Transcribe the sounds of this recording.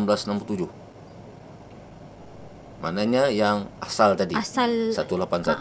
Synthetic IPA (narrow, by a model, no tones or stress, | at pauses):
mblasnampult̪ud͡ʒʊh | manaɲajaŋasalt̪adiasalsat̪ulapansa̰t̪